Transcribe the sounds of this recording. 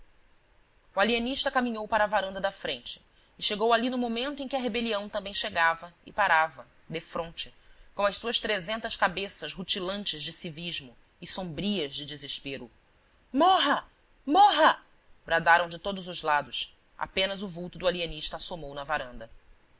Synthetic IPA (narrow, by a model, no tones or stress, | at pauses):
ualieniʃt̪ɐkamĩɲowpaɾɐːvaɾɐ̃nd̪ɐd̪ɐfɾẽnt͡ʃɪ̥ː | ʃeɡowalinʊmomẽnt̪ʊẽkʲɪɐɦebeliɐ̃w̃t̪ɐ̃mbẽj̃ʃeɡavɐɪpaɾavɐ | d̪efɾõnt͡ʃɪkõw̃ɐsuɐʃt̪ɾezẽnt̪ɐskabesɐzɦut͡ʃilɐ̃nt͡ʃɪzd͡ʒɪsiviʒmʊ | ɪsõmbɾiɐzd͡ʒɪd͡ʒɪziʃpeɾʊ̰ | moɦɐ | moɦɐ | bɾad̪aɾɐ̃w̃d͡ʒɪt̪od̪ʊzʊzlad̪ʊs | ʔa̰pẽnɐzʊvuwt̪ʊd̪ʊaliɐniʃt̪ɐːsomownɐvaɾɐ̃nd̪ɐ